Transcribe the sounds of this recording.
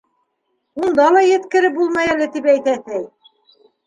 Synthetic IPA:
und̪ɑlˠɑjɘ̆t̪kɘ̆ɾɘp̚bulˠmɑjælɘt̪ipæjt̪æt̪ɘj

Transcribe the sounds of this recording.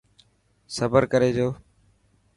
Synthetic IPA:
səbəɾkəɾeːd͡ʒoː

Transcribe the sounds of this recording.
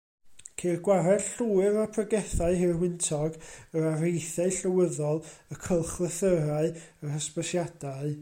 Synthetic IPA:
kʰeːrɡwaɾɛd̥ɬuːɨɾapʰrəɡɛθaɨɦɪrwɪntʰɔɡəɾarejθaɨɬəwəðɔlˠəkʰəlˠχlˠəθəɾaɨərəspəsjad̥aɨ

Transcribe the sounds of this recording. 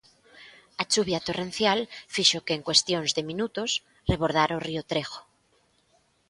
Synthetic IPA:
at͡ʃuβjat̪oren̟θjalfiʃokeːŋkwest̪jonzðemĩnut̪os | reβ̞oɾð̞aɾoriot̪ɾexo̥

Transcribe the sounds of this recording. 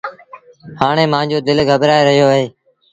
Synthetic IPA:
haːɳ̃eːmãːnd͡ʑoːd̪ɪlɡʱəbɾaːeɾəɦjoːəɦeː

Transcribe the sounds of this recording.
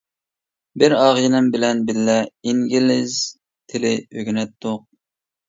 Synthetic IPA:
bɪɾɑːʁjnɪmbɪlɛnbɪlːɛiŋɡʲilɪz | t̪ʰɪlɪøɡʲnɛt̪ʰːʊq̚

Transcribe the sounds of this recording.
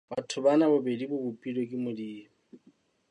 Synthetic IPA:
b̥atʰʊbanabʊbedibʊbupʼilekʼɪmʊdiː

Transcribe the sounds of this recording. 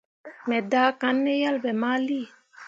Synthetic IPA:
mɛd̪akanːejalbɛmaːli

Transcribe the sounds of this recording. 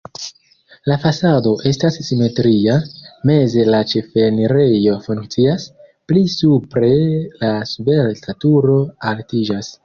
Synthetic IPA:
lafasado̞ʔe̞stasːime̞tɾiame̞ze̞lat͡ʃe̞fe̞niɾe̞jo̞fuŋkt͡sias | plisupɾe̞lasube̞ɾtʰatuɾo̞altid͡ʒas

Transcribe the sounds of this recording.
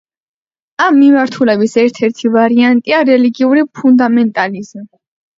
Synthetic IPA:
amːimaɾt̪ʰulɛbisɛɾt̪ʰɛɾt̪ʰivaɾiant̪ʼiaɾɛliɡiuɾipʰund̪amɛnt̪ʼalizmi

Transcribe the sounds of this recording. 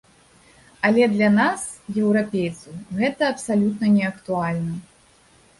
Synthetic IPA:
ɐlʲɛd̪lʲɐnas | jɛwɾapʲejt̪sɐwɣɛt̪ɐːpsalʲut̪nɐnʲɛɐkt̪ualʲnɐ

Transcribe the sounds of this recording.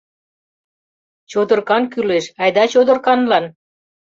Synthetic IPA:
t͡ɕod̪ə̆rkɑnkyleʃɑjd̪ɑt͡ɕod̪ə̆rkɑnlɑn

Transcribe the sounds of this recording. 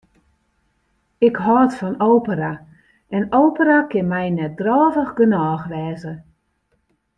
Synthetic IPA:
ɪkɦɔːtfɔnowpəɾa | ʔɛnowpərakɪnmɛjnɛt̚drɔːvəxɡənɔːxʋɛːzə

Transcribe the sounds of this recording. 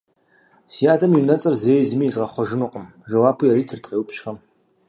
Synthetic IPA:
sijaːdɐmiwnɐt͡sʼɐrzeːjzɨmiːzʁɐχʷɔʒɨnuqʼəm | ʒɐwaːpʰujɛɾiːtʰɨrtʼqeːwpʃxɐm

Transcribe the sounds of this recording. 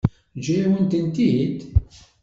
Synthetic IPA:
d͡ʒɾiwənt̪ənt̪id̪

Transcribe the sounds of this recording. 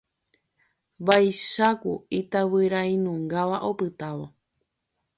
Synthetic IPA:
bajʃakuit̪aβɨɾaĩnũŋɡaʋaʔo̞pɨt̪aʋo

